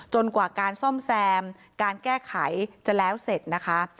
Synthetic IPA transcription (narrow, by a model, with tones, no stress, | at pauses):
t͡ɕo˧nkwaː˨˩kaː˧nsɔ˥˩msɛː˧m | kaː˧nkɛː˥˩kʰa˩˦jt͡ɕa˨˩lɛː˦˥wse˨˩t̪̚na˦˥kʰa˦˥